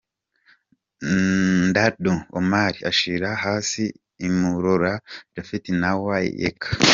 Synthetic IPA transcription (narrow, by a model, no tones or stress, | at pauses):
ndaɾduo̰maɾiaʃiɾahaːsiː | muɾoɾaɾafitinawa̰jḛkʰḁ